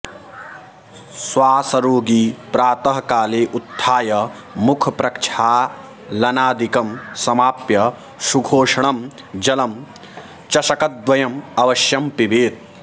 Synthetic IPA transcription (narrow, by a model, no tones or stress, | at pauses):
swaːsɐɾoːɡiːpɾaːt̪ɐɦɐkaːleːʔut̪ʰːaːjɐ | mukʰɐpɾɐkt͡ʃʰaː | lɐnaːd̪ikɐmsɐmaːpjɐ | suɡʱoːʂɐɳɐm | d͡ʒɐlɐm | t͡ʃɐʃɐkɐd̪ʋɐjɐmɐʋɐʃjɐmpiʋeːt̪̚